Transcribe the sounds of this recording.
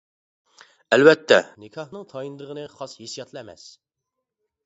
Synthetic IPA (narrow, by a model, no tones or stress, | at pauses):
ælwæt̪ːænikʲʰɑhnɨŋt̪ʰɑjind̪əʁənɨχɑsjesjɑt̪ʰlˠæmɛ̰s